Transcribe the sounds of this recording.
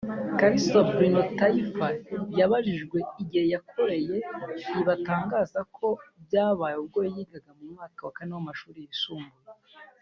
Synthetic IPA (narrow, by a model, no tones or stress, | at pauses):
kaɾisobɾinotaifaβjaβaʒiʒɡwe̞iɟihe̞jakʰo̞ɾe̞je̞iβataːŋɡaːzakʰo̞bjaːβaːjubɡoːjijiːɡaɡamumŋaːkawakanewamaʃuːɾijisuːmbuje